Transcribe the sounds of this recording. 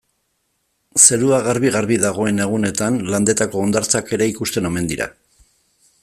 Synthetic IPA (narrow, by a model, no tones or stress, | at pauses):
se̞ɾuaɣaɾβiɣaɾβiðaɣo̞e̞ne̞ɣ̞une̞t̪anland̪e̞t̪ako̞ːnd̪aɾt͡sake̞ɾe̞ikust̪e̞no̞me̞nd̪iɾa̰